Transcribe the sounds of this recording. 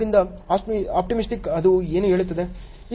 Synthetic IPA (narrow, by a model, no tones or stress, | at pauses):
ɾind̪ɐaːaːp̚ʈimisʈikɐd̪ueːnuɦe̞ːɭut̪ːɐd̪e̞ | iː